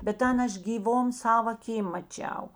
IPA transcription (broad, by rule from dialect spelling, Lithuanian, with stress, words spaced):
bʲɛt ˈtʲɛn ˈɐʃ ɡʲiːˈʋoːm ˈsɑːʋɐ ɐˈkʲiːm mɐˈt͡ʃʲɛʊ